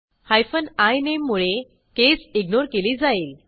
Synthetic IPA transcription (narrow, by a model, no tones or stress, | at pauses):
hajfənajnemːuɭe | kesiɡnoɾkeliːd͡zaiːl